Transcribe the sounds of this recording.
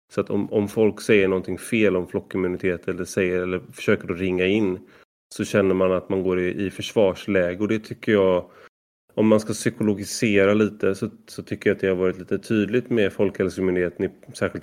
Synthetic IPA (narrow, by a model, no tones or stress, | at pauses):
sɔat̪ʰɔ̰mɔmfɔlksɛjːəɳɔnt̪ʰɪŋfeːlɔmflɔkːɪmʉnɪt̪ʰeːt̪ɛlːəʂɛjːəɾɛlːəɾfœ̥ʂøːkəɖɔɾɪŋːaɪnː | sɔɕɛnːəɾmanat̪manɡoːɾɪɪfœʂv̥ɑːʂlɛːɡəɔd̪ɛt̪ʰʏkːəjɑː | ɔmːanskasʏkʊlʊɡɪseːɾaliːt̪əsɔsɔt̪ʰʏkːəɾjat̪̚d̪ɛhaɾvɑːɾɪt̪liːt̪ət̪ʰyːd̪lɪt̪mɛfɔlkhɛlsəɪmʉnd̪ɪheːt̪ənɪsæːɾɧɪlt̪